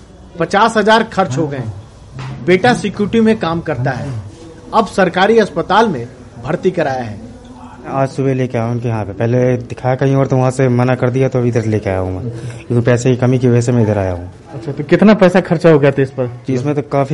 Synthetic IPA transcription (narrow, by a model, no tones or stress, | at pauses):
pɐt͡ʃaːsɦɐzaːɾkʰɐɾt͡ʃɦoɡɐẽː | beːʈasɪkjuːɾʈimẽkaːmkɐɾt̪aɦɛː | ɐbsɐɾkaːɾiɐspət̪aːlmẽ | bʱɐɾt̪ikɐɾaːjaɦɛ̰ː | ɛ̃aːd͡ʒsʊbeleːkeaːɦũnkijɐɦãpepɛɦled̪ɪkʰaːjakɐɦĩɔːɾt̪oʋɐɦãsemɐnakɐɾd̪ijat̪oɐbʱɪd̪əɾleːkea̰ːũpɛːsekikɐmikiʋɐd͡ʒɛsemẽɪd̪əɾaːja̰ɦũ | ɐtːʃʰat̪okɪt̪napɛːsakʰɐɾt͡ʃaɦoɡɐjat̪eɪspɐɾt͡ʃiɪzmẽt̪okaːfʰi